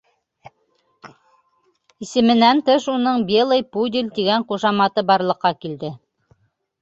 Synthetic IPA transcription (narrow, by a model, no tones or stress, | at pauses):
isɘ̆mɘ̆nænt̪ɤʃunɤɴbʲelˠɤjpud̪ʲilʲt̪iɡæɴquʃɑmɑt̪ɤbɑɾlˠɤ̆qːɑkild̪ɘ